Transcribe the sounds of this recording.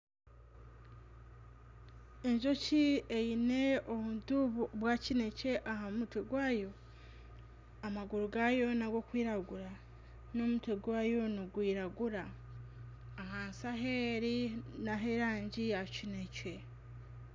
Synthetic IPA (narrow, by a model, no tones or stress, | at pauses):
e̞ɲʒo̞ciejine̞oβuduββwaːcine̞ce̞ʔaɦamutweɡwaːjo̞ | amaɡuɾuɡajo̞naɡo̞kwiːɾaɡuɾa | no̞mutwe̞ɡwaːjo̞niɡwiːɾaɡuɾa | ɦaːnsaɦeɾinaɦe̞ɾaːɲɟijacine̞ce̞